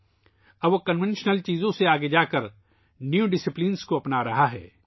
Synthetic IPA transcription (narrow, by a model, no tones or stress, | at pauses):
ɐbʋokɐnʋẽnʃnəlt͡ʃiːzõseaːɡed͡ʒaːkɐɾ | njuɖɪsɪplinskoɐpnaɾɐɦaɦɛ̰ː